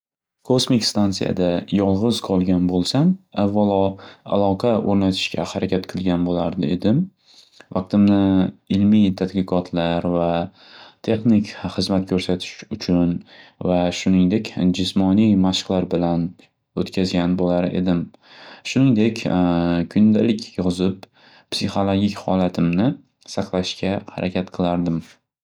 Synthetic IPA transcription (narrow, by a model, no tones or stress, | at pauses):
kʰosmɪkʲst̪ant̪sija̰d̪ajɒlˠʁɨz̥qʰɒlˠɡʲanbolˠsamavːalˠɒa̰lˠɒqʰɑoɾnat̪ʰɪ̥ʃkʲʰa̰haɾakʲat̪qʰɨlˠɡʲanbolaɾd̪ɪed̪ɪm | vɑq̚t̪ɪmnɪɪlmijt̪ʰad̪kʲɪqʰɒt̪ʰlaɾva | t̪ʰe̞χnɪkʲχɨzmat̪̚kʲʰɵɾsat̪ʰɪ̥ʃʊt͡ʃʰʊnvaʃʊnɪŋd̪e̞kʲd͡ʒɪsmɒnijmaʃqlaɾbɪlan | ot̪kʲʰazɡʲanbolaɾe̞̰d̪ɪm | ʃʊnɪŋd̪e̞kʲkʰʊnd̪alɪkʲjɒzɪp | psiχo̞lˠoɡʲikʲhɒlˠat̪ʰɪmnɪ | sɑqlˠaʃkʲaha̰ɾʔakʲʰat̪qʰɨlˠaɾd̪ɪm